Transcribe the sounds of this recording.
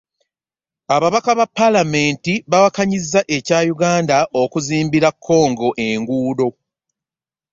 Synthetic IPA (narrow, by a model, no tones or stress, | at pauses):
aβaβakaβapːalame̞ːntiβawakaɲizːaʔe̞caːjuɡaːndaʔo̞kuziːmbiɾakʰːo̞ːŋɡo̞ʔe̞ŋɡuːdo̞